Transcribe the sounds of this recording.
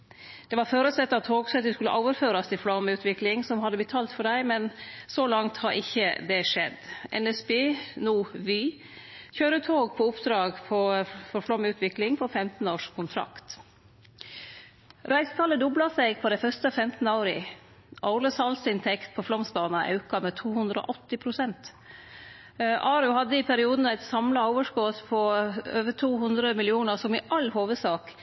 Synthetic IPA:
d̪̥ɛʋɑɾføːɾəsɛt̪ːɑt̪ʰoːɡsɛt̪̚d̪ʉskʉlːə̰ʔoːʋəɾføːɾɑst̪ʰɪflɑmʉːt̪ʰʋɪklɪŋsɔmhɑd̪ːəbət̪ʰɑːlt̪fɔɖæɪmɛnsolɑŋt̪hɑɾʔɪçəd̪ɛʂɛ̰d̪ʔɛ̰nɛsbeːnuːʋyː | çøːɾət̪ʰoːɡpʰɔʊpd̪ɾɑːɡpʰɔfɔɾflɔmʉːt̪ʰʋɪklɪŋpʰɔfɛmt̪n̩oːʂkʰʊnt̪ʰɾɑ̰kt̪ | ɾʔæɪst̪ʰɑːləd̪ɔblɑsɛɪɡpʰɔd̪æɪfœst̪əfɛmt̪n̩ɑʊɾɪ̰ | ʔɑʊləsɑːlsəɪnt̪ʰɛkt̪̚pʰɔflɔmsbɑːnɑʔɑ̰ʉkɑmɛːt̪ʰuːhʉnd̪ɾəɔ̰ːʔɔt̪ːɪpʰɾʊsɛnt̪ | ʔɑːɾʉhɑd̪ːəɪpʰæɾɪuːd̪n̩æɪt̪sɑmlɑoʊːʋəʂkoːt̪pʰɔøːʋət̪ʰuːhʉnd̪ɾəmɪlɪuːnəɾsɔmɪʔɑlhoːʋəsɑːk

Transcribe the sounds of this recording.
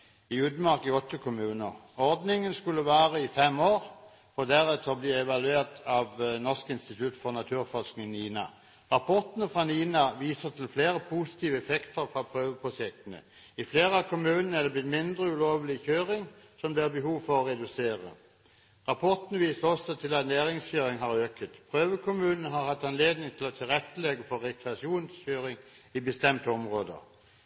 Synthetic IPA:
ɪʉd̪mɑʁkɪɔt̪ʰːəkʰʊmʉːnə̰ʁɔʁd̪nɪŋənskʉlːəʋæːʁəɪfɛmoːʁ | fɔd̪æʁɛt̪ʰɔbliːɛʋɑlʉeːʁt̪ɑʋnɔskɪnst̪ɪt̪ʰʉt̪fɔʁnɑt̪ʰʉːɾfɔsknɪŋniːnɑ̰ | ʁɑpʰɔt̪ənəfʁɑniːnɑʋiːsət̪ʰɪlfleːʁəpʰusɪ̥t̪ʰiːʋəɛfɛkt̪ʰəɾfʁɑpʰʁøːʋəpʰʊsɛk̚t̪ənə̰ | ɪfleːʁəɑkʰʊmʉːnən̩əɛd̪əblɪt̪mɪnd̪ʁəʉloːʋəlɪçøːʁɪŋsɔmd̪ɛæbəɦuːʋfɔʁɔʁɛd̪ʉseːʁə̰ | ʁɑpʰɔt̪nəʋiːsəʁɔsːɔt̪ʰɪlɑt̪næːʁɪŋsçøːʁɪŋhɑʁøːkət̪pʰʁøːʋəkʰʊmʉːnən̩əɦɑʁhɑt̪ːɑnleːd̪nɪŋt̪ʰɪlɔt̪ʰɪlʁɛt̪ːəlɛɡəfɔʁɛkʰɾɛɑʂɪuːnsçøːʁɪŋ | ɪbəst̪ɛmt̪əɔmʁoːd̪ə̰

